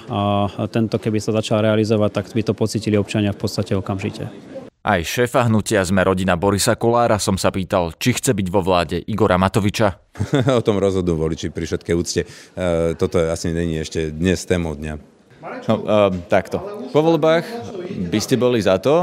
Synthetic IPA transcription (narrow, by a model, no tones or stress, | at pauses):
at̪ɛnt̪ɔkɛbisazat͡ʃalɾɛalizɔʋac̚t̪akbit̪ɔpɔt͡siːciliɔp̚t͡ʃaɲɪafpɔt̪st̪acɛɔkamʒḭcɛ̰ | ʔajʃɛːfaɦnucɪazmɛɾʔɔɟinabɔɾisakɔlaːɾasɔmsapiːt̪alt͡ʃixt͡sɛbiɟʋɔʋlaːɟɛʔiɡɔɾʔamat̪ɔʋit͡ʃa | ɔt̪ɔmɾɔzɦɔd̪nuʋɔlit͡ʃipɾifʃɛt̪kɛjuːt͡scɛt̪ɔt̪ɔɛasiɲɛɲiɛʃcɛd̪ɲɛst̪ɛːmɔd̪ɲa̰ | nɔt̪akt̪ɔpɔʋɔlbaːxbiscɛbɔlizat̪ɔ